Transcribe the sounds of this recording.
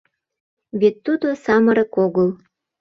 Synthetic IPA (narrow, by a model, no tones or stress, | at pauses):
βet̪ːud̪osɑməɾəkoɣəl